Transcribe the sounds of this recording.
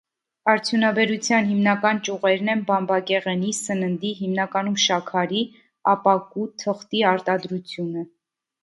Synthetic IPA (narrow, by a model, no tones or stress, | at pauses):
ɑɾt͡sʰjunɑbɛɾut͡sʰjɑnɦimnɑkɑnt͡ʃuʁɛɾnɛnbɑmbɑkɛʁɛnisənənd̪iɦimnɑkɑnumʃɑkʰɑɾi | ɑpɑkut̪ʰəχt̪iɑɾt̪ɑd̪ɾut͡sʰjunə